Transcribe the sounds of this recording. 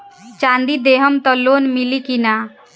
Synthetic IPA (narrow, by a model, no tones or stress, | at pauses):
t͡ʃand̪id̪eɦəmt̪ɔlːonmilikina